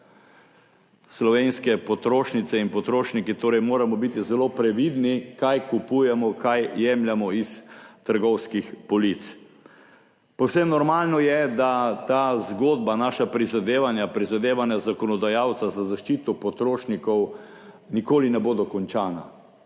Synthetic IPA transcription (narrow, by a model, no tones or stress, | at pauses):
slɔʋeːnskɛpɔt̪ɾoːʃnit̪sɛinpɔt̪ɾoːʃnikit̪oːɾɛjmoːɾamɔbit̪izɛloːpɾɛʋid̪nikajkupujɛmɔkajːɛmljamɔist̪əɾɡɔwskixpɔlit̪s | pɔwsemnɔɾmaːlnɔjɛd̪at̪aːzɡoːd̪̚banaːʃapɾizad̪eːʋanjapɾizad̪eːʋanjazakɔnɔd̪ajawt̪sazazaʃt͡ʃit̪ɔpɔt̪ɾoːʃnikɔw | nikoːlinɛboːd̪ɔkɔnt͡ʃaːna̰